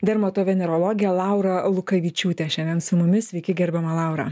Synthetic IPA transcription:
d̪ʲɛɾmɐt̪oːʋʲɛnʲɛɾolˠoːɡʲɪjɛlˠɑˑʊɾɐlˠʊkɐʋʲiːt͡ʃʲuːt̪ʲɛʃʲɛnd̪ʲɛnsʊmʊmʲɪsʲʋʲɛɪkʲɪɡʲɛɾʲbʲɛmɐlˠɑˑʊɾɐ̰

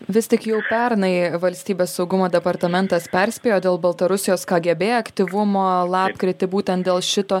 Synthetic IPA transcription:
ʋʲɪst̪ʲɪkjɛʊpʲɛɾnɐɪʋɐlʲsʲt̪ʲiːbʲeːsːɒʊɡʊmoːd̪ʲɛpɐɾt̪ɐmʲɛnt̪ɐspʲɛɾʲsʲpʲeːjoːd̪ʲeːlˠbɐlˠt̪ɐɾʊsʲɪjoːskɑːɡʲɛbʲeːjɐkt̪ʲiʋʊmoːlˠɑːpkɾʲɪt̪ʲɪbuːt̪ʲɛnt̪̚d̪ʲeːlˠʃʲɪt̪oː

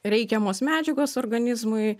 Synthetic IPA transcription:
ɾʲɛɪkʲɛmoːsmʲæːd͡ʒʲɛɡoːsoːrɡɐnʲɪzmʊɪ

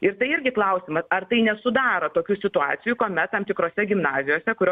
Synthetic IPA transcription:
ɪɾt̪ɐɪɪɾʲɡʲɪklˠɐʊsʲɪmɐsɐrt̪ɐɪnʲɛsʊd̪ɑːɾɐt̪oːkʲuːsʲɪt̪ʊɑ̰ːt̪sʲɪjukoːmʲɛt̪̚t̪ɐmt̪ʲɪkɾoːsʲɛɡʲɪmnɑːzʲɪjoːsʲɛkʊɾʲoː

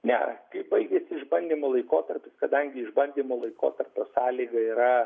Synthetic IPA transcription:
nʲɛ̰kɐɪbɐɪɡʲɛsʲɪɪʒbɐnʲd̪ʲiːmoːlˠɐɪkoːt̪ɐrʲpʲɪskɐd̪ɐŋʲɡʲɪɪʒbɐnʲd̪ʲiːmoːlˠɐɪko̰ːt̪ɐrpʲoːsɑːlʲiːɡɐiːɾɐ

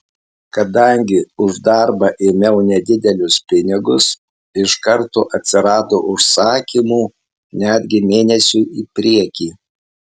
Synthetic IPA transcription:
kɐd̪ɐˑŋʲɡʲɪʊʒd̪ɑˑɾbɐʔeːmʲɛʊnʲɛd̪ʲɪd̪ʲɛlʲʊspʲɪnʲɪɡʊs | ɪʃkɐɾt̪oːʔɐt̪ʲsʲɪɾɑːt̪oːʔʊʃsɑːkʲimuː | nʲæːd̪ʲɡʲɪmʲeːnʲɛsʲuːiːpʲɾʲiɛkʲiː

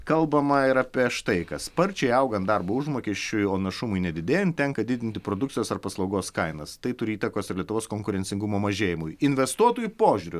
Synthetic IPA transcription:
kɐlˠbɐmɐɪɾɐpʲiɛʃt̪ɐɪkɐspɐɾʲt͡ʃʲɛɪɐʊɡɐnt̪̚d̪ɐɾboːʊʒmoːkʲɛʃʲt͡ʃʲʊjoːnɐʃʊmʊɪnʲɛd̪ʲɪd̪ʲeːjɛntt̪ʲɛŋkɐd̪ʲɪd̪ʲɪnt̪ʲɪpɾoːd̪ʊktt͡ssʲɪjoːsɐrpɐslˠɐʊɡoːskɐɪnɐst̪ɐɪt̪ʊɾʲiːt̪ɐkoːsɪɾlʲiɛt̪ʊʋoːskoːŋkʊɾʲɛnʲsʲɪŋɡʊmoːmɐʒʲeːjɪmʊjɪnʲʋʲɛst̪uɔt̪uːjʊpoːʒʲʊɾʲʊ

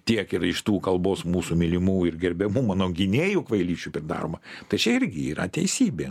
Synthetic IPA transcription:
t̪ʲiɛkɪrɪʃt̪uːkɐlˠboːsmuːsumʲɪlʲɪmuːɪrɡʲɛɾʲbʲɛmuːmɑːnoːɡʲɪnʲeːjukʋɐɪlʲiːt͡ʃʲupʲɾʲɪd̪ɑ̰ːɾoːmɐt̪ɐɪt͡ʃʲɛɪɾʲɡʲɪiːɾɐ̰t̪ʲɛɪsʲiːbʲeː

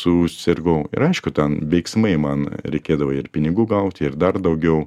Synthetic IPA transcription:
sʊsʲɪɾɡoʊɪ̰ɾɐɪʃkʊt̪ʲɛnʋʲɛɪksmɐɪmɐnɾʲɛɪkʲeːd̪ɐʋɐɪrpʲɪnʲɪɡuːɡɐʊt̪ʲɪrd̪ɐrd̪ɐʊɡʲɛʊ

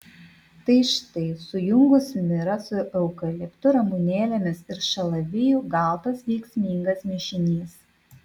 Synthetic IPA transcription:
t̪ɐɪʃɪt̪ɐɪsʊjʊŋɡʊsmʲɪɾɐsʊʔɛʊkɐlʲɪkt̪ʊɾɐmunʲeːlʲɛmʲɪsɪɾʃɐlˠɐʋʲɪjuɡɑˑlˠt̪ɐsʋʲɛɪksʲmʲiːŋɡɐsmʲɪʃʲɪnʲiːs

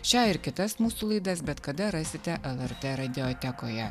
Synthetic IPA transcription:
ʃʲɑːɪɾkʲɪt̪ɐsmuːsuːlˠɐɪd̪ɐsbʲɛt̪kɐd̪ɐɾɑːsʲɪt̪ʲɛʔɛlˠɛɾt̪ɛɾɐd̪ʲɪɔt̪ʲɛkojɛ

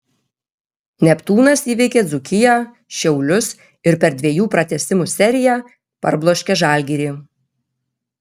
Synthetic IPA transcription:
nʲɛpt̪uːnɐsiːʋʲɛɪkʲeːzʊkʲɪjæ | ʃʲɛʊlʲʊs | ɪɾpʲɛɾd̪ʲʋʲeɛjuːpɾɐt̪ʲɛsʲɪmusʲɛɾʲɪjæ | pɐ̰ɾblˠoːʃʲkʲɛʒɑːˑlʲɡʲiːɾʲiː

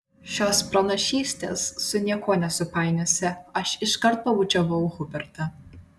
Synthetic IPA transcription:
ʃʲoːspɾɐnɐʃʲiːsʲt̪ʲḛːsːʊnʲiɛkʰoːnʲɛsʊpɑɪnʲosʲɪɐʃɪʃkɐɾt̪̚pɐʋʊt͡ʃʲɛʋɐʊɣʊbʲɛɾt̪ɐ

